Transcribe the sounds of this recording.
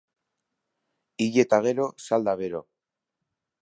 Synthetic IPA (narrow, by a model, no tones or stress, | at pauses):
iʎe̞t̪aɣe̞ɾo̞sald̪aβeɾo̞